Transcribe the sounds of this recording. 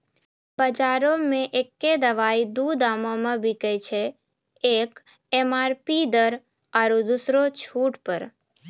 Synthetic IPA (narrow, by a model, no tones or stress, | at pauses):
bəd͡ʒaɾomẽʔekːed̪əʋaid̪ud̪amomãbʱikət͡ʃʰe | ek | emaɾpid̪əɾ | aɾud̪usɾot͡ʃʰuʈpəɾ